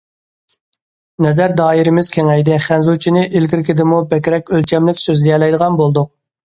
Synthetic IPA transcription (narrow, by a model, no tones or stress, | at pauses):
nɛzæɾd̪ɑːiɾɪmɪz̥kʲʰeŋɛjd̪ɪχænzut͡ʃʰinɪʔilɡʲiɾkʲɪd̪ɪmubɛkʲɾɛkʲølt͡ʃʰɛmlɪkʲsøzlijɛlɛjd̪əʁɑnbolˠd̪ʊq̚